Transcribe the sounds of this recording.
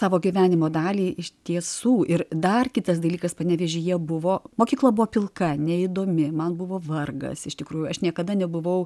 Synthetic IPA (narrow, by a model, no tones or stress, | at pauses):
sɑːʋoːɡʲiʋʲæːnʲɪmoːd̪ɑːlʲiːʔɪʃt̪ʲiɛsuːʔɪrd̪ɐrkʲɪt̪ɐsd̪ɐlʲiːkɐspɐnʲɛːʋʲɛʒʲɪjiɛbʊʋoːmoːkʲiːklˠɐbʊʋoːpʲɪlˠkɐnʲɛɪd̪oːmʲɪmɐnbʊʋoːʋɐrɡɐ̰sɪʃt̪ʲɪkɾuːjʊɐʃnʲiɛkɐd̪ɐnʲɛbʊʋɐʊ